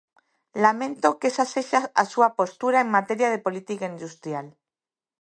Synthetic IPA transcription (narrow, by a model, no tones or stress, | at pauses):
lamẽnt̪o̞kesase̞ʃasasuapo̞st̪uɾaeŋmat̪e̞ɾjað̞e̞po̞lit̪ikaind̪ust̪ɾjal